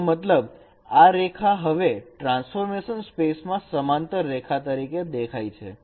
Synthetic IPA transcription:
mət̪ləb | aɾekʰaɦəʋeʈɾãnsfoɾmeʃənspesmãsəmant̪əɾːekʰat̪əɾiked̪ekʰajt͡ʃʰḛ

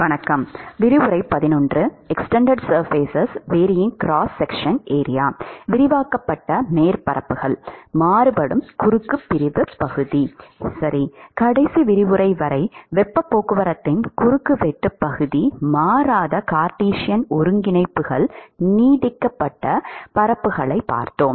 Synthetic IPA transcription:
ʋɐnɐkːɐmʋɪɾɪʋɯɾɐɪpɐðɪnɔndrɯɛksʈɛɳɖɐɖsɐɾfeːsɐsʋeːɾɪjɪŋkɾaːsːɛkʂɐneːɾɪjaːʋɪɾɪʋaːkɐpːɐʈːɐneːɾpɐɾɐpːɯɣɐɭmaːɾɯpɐɽɯmkʊɾɯkːɯpːɪɾɪʋɯpːɐɣɯðisɐɾikɐɽɐɪsiʋɪɾɪʋɯɾɐɪʋɐɾɐɪʋɛpːɐpːoːkɯʋɐɾɐt̪ːɪnkʊɾɯkːɯʋɛʈːɯpːɐɣɯðimaːɾaːðɐkaːɾʈiːʂɪjɐnɔɾɯŋɡɪnɐɪpːɯɣɐɭniːðɪkːɐpːɐʈːɐpɐɾɐpːɯɣɐɭɐɪpːa̰ːɾt̪oːm

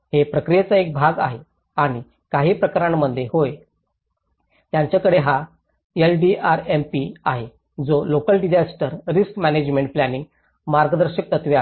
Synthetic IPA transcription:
hepɾəkɾijet͡saek̚bʱaɡa̰ɦe | aɽ̃i | kaɦiːpɾəkaɾaɳməd̪ʱːjehoj | t̪jãɲt͡ɕjakəɽeɦa | elɖiaɾempiaɦe | d͡zolokəlɖid͡ʑasʈəɾɾiskmæned͡ʑmẽɳʈ̚planĩŋɡ | maɾɡəd̪əɾɕək̚t̪ət̪ʋea

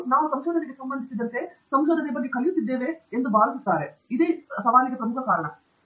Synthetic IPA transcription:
naːʋusɐmʃoːd̪ɐniɡesɐmbɐnd̪ʱisid̪ɐnt̪esɐmʃoːd̪ɐnebɐɡːekɐlijut̪ːid̪ːeːʋeːnd̪ubaːɾɐsit̪ːaːɾeid̪eːsɐʋaːniɡesɾɐmukʰɐkaːɾɐɳɐ

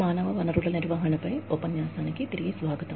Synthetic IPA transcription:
maːnɐʋɐʋɐnɐruɭɐniɾʋɐɦɐɳɐpːɐjopɐnjaːsaːnɐkʲːit̪iɾiɡisʋaːɡɐt̪ɐ

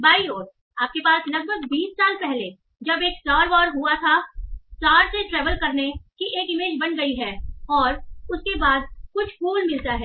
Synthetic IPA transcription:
baːioːɾ | aːp̚kepaːslɐɡ̚bəɡ̚biːsːaːlpɛɦle | d͡ʒɐbeːksʈaːɾʋɔːɾɦuat̪ʰasʈaːɾseʈɾɛːʋəlkɐɾnekiʔeːkɪmeːd͡ʒbɐnɡɐiɦɛːɔːɾʊskebaːd̪̚kʊt͡ʃʰfuːlmɪlt̪aɦɛː

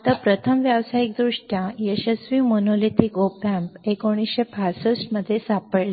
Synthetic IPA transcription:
t̪apɾət̪ʰəmʋjaʋsaik̚d̪ɾuʂʈʰjãjəɕəsʋimonolit̪ikopãmpekoɽ̃isɕepʰasəsʈməd̪ʱːjesapəɽle

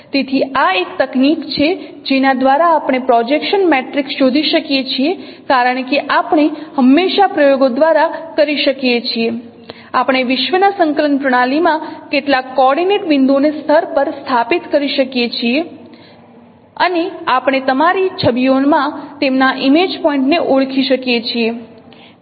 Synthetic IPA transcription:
t̪et̪ʰiaekt̪əknikt͡ʃʰe | d͡ʒenad̪ʋaɾaːpɽ̃epɾɔd͡ʒekʃənmeʈɾiksʃod̪ʱiʃəkijet͡ʃʰiekaɾəɳkeʔapɳ̃ehəmːeʃapɾəjoɡod̪ʋaɾakəɾiʃəkijet͡ʃʰie | apɽ̃eʋɪʃʋənasəŋkələnpɾəɽ̃alimãkeʈlakːɔɾɖineʈbɪnd̪onest̪ʰəɾpəɾst̪ʰapit̪kəɾiʃəkjet͡ʃʰie | əneapɽ̃et̪əmaɾit͡ʃʰəbijonmãt̪emnaʔimed͡ʒpɔĩɳʈneʔoɭkʰiʃəkjet͡ʃʰie

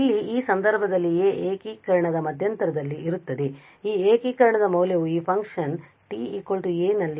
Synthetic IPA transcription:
ilːiiːsɐnd̪ɐɾbʱɐd̪ɐlːieːʔeːkiːkɐɾɐɳɐd̪ɐmɐd̪ʱjɐnt̪ɐɾɐd̪ɐlːiiɾut̪ːɐd̪e | iːeːkiːkɐɾɐɳɐd̪ɐmɐwljɐʋuiːpʰɐŋkʂɐn | ʈiiːkolʈueːnɐlːi

